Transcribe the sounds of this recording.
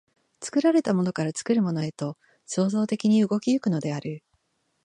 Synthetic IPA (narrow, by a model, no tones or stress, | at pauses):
t͡sɨ̥kɯ̟ɾaɾe̞t̪amo̞no̞kaɾat͡sɨ̥kɯ̟ɾɯ̟mo̞no̞e̞t̪o̞ | so̞ːzo̞ːt̪e̞kʲiɲ̟iɯ̟ɡo̞kʲijɯ̟kɯ̟no̞d̪e̞aɾɯ̟